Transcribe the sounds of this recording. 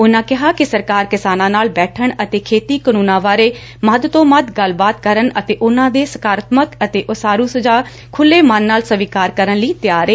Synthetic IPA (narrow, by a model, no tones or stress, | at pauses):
ʊnãːkɪɦaːkɪsəɾkaːɾkɪsaːnãːnaːlbɛːʈʰəɳət̪eːkʰeːt̪iːkənũːnãːʋaːɾeː | məd̪t̪õːməd̪ɡəlbaːt̪̚kəɾənət̪eːʔʊnãːd̪eːsəkaːɾət̪məkət̪eːʔʊsaːɾũːsəd͡ʒaː | kʰʊlːeːmənːaːlsəʋiːkaːɾkəɾənləiːt̪ɪjaːɾeː